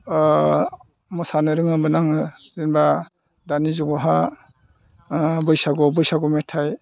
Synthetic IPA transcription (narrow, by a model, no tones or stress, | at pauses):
mɔsanɯɾɯŋɯmɯnaŋzinba | danizuŋɔɦa | bɯjsaɡɔbɯjsaɡɔmetʰaj